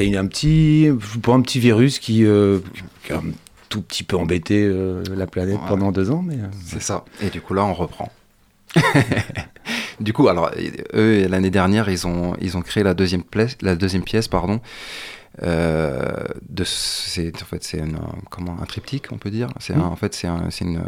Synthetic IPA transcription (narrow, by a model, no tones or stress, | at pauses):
jayɛ̃pət̪ʰiʒupaɛ̃pət̪ʰiviʁyskʲiøkʲia̰ɛ̃ | t̪upət̪ʰipøɑ̃bet̪eølaplanɛt̪pɑ̃d̪ɑ̃d̪øzɑ̃mɛsɛsaed̪ykulaɔ̃ʁəpχɑ̰̃ | d̪ykualɔʁ̰ølaned̪ɛʁnjɛʁilzɔ̃ḭlzɔ̃kχeelad̪øzjɛmplɛslad̪øzjɛmpjɛspaʁd̪ɔ̃ | ø̰ | d̪əssɛɑ̃fɛt̪sɛyn̰kɔmɑ̃ɛ̰̃t̪χip̚t̪ʰikʰɔ̰̃pød̪iːʁsɛɛ̃ɑ̰̃fɛt̪sɛɛ̰̃sɛyn̰